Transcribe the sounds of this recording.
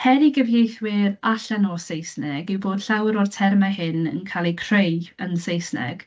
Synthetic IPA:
hɛɾiɡəvjejθwɪɾaɬanɔsejsnɛɡɪwboːd̥ɬawɾɔrtʰɛrmaɦɪnə̰nkʰalˠikʰr̥ejənsejsnɛ̰ɡ̥

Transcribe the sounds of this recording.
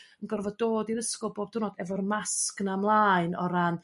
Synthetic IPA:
ənɡərvɔdoːdiɾəskɔlˠboːb̚d̥ʰunɔːdɛvɔrmasknamlˠaːɨnɔɾan

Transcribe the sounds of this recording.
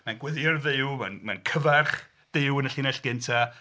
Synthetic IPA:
manɡwɪðjɔrðɪwmanmankʰəvarχ | d̥ɪwənəɬinɛɬɡ̥ɪntʰa

